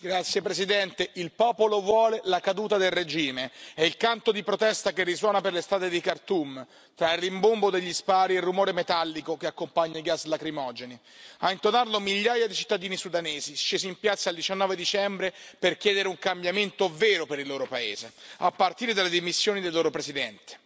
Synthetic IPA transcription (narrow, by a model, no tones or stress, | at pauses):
ɡɾat̪sːjepɾesid̪ɛnt̪eʔilpɔːpolovwɔːlelakad̪uːt̪ad̪elred͡ʒiːmeɛilkant̪od̪ipɾot̪ɛst̪akerːiswɔːnaperlest̪ɾaːt̪ed̪ikart̪um | t̪ɾailrimbombod̪eʎːispaːɾierːumoːɾemet̪alːikokeakːompaɲːaiɡaslakɾimɔːd͡ʒeni | aint̪onarlomiʎːaːjad̪it͡ʃi̥t̪ːad̪iːnisud̪aneːziʃeːziimpjat̪sːaːld̪it͡ʃanːɔːved̪it͡ʃɛmbɾeperk̟jɛːd̪eɾeuŋkambjament̪oveːɾopeɾilːoːɾopaḛːzḛapːart̪iːɾed̪alːed̪imisːjoːnid̪elːoːɾopɾezid̪ɛnt̪e̥